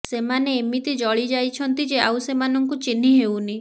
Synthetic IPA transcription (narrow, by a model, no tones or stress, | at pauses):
semaneːmit̪id͡ʒɔɭid͡ʒajt͡ʃʰɔnt̪id͡ʒeawsemanɔŋkut͡ʃin̤iɦewni